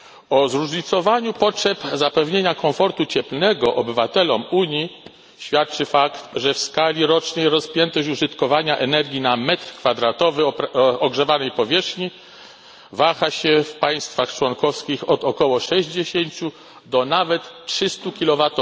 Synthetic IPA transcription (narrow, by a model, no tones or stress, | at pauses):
ɔzɾuʐɲit̪sɔvaɲupɔtʂɛpzapɛvɲeɲakɔɱfɔɾt̪ut͡ɕɛplnɛɡɔʔɔbɘvat̪ɛlɔmuɲji | ɕfʲjat̪̚t͡ʂɘfakt̪ʐɛfskalʲiɾɔt͡ʂnɛjɾɔspʲjɛnt̪ɔɕuʐɘt̪kɔvaɲaʔɛnɛɾɡʲinamɛt̪ɾkfad̪ɾat̪ɔvɘɔɡʐɛvanɛjpɔvʲjɛʂxɲi | vaxaɕɛfpaj̃st̪faxt͡ʂwɔnkɔfskʲixɔd̪ɔkɔwɔʂɛʑd͡ʑeɕeɲt͡ɕu | d̪ɔnavɛt̪tʂɘst̪ukʲilɔvat̪ɔ